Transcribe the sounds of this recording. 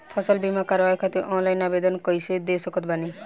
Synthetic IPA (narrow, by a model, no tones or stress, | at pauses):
pʰɔsɔlbimakaɾʋajkʰat̪iʔɔnlajnabed̪ɔnkɔjsed̪esɔkɔt̪bani